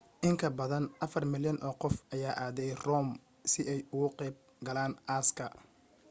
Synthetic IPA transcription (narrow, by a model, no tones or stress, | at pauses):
ʔɪŋkʰɐbɐðɐnʔɐfɐrmɪljɐnʔɔːqɔfʔɐjaːʔaːðɛjrɔːm | sɪɛjʊɣʊqɛːb̚ | ɡɐlaːnʔaːskʰɐ